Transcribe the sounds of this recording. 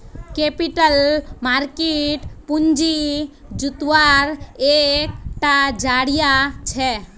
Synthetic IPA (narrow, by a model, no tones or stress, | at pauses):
kepiʈəlmaɾkeʈpund͡ʒi | d͡ʒut̪ʋaɾek̚ʈad͡ʒaɽijat͡ʃʰɛ